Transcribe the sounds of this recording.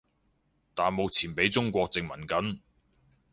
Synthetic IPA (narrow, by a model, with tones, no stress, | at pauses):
t̪aː˨nmo˨w̚t͡sʰiː˨˩npe˨˥jt͡sʊ˥ŋkʷɔː˧k̚t͡sɪ˧ŋmɐ˨˩nkɐ˨˥n